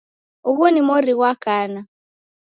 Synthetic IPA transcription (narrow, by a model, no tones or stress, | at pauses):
uɣunimɔɾiɣwakana